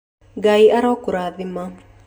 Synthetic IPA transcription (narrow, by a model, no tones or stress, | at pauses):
ɡaiʔaɾɔkuɾaðɪma